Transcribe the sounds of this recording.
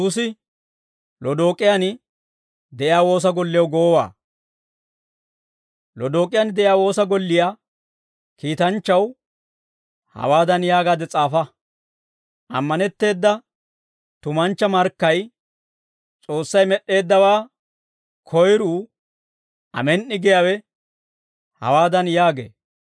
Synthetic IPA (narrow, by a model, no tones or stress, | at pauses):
uːsɪ | lɔd̪o̞ːkʼːɪjanɪ | d̪ɛʔɪjaːwo̞ːs̬ɐɡɔlːɪjɐwɡoːwa̰ː | lɔd̪o̞ːkʼːɪjaːnd̪ɛʔɪjaːwo̞ːsɐɡɔlːɪja | kiːt̪ɐnt͡ʃːɐw | hɐ̰waːd̪ɐnjaːɡaːd̪ɛt͡sʼaːfɐ | ʔɐ̰mːɐnɛt̪ːe̞ːd̪ːɐ | t̪ʊmɐnt͡ʃːɐmɐɾkːɐj | t͡sʼo̞ːsːɐjmɛʔːe̞ːd̪ːɐwaː | kʰɔjɾuː | ʔɐ̰mɛnʔːɪɡɛjawɛ | hɐ̰waːd̪ɐnjaːɡḛː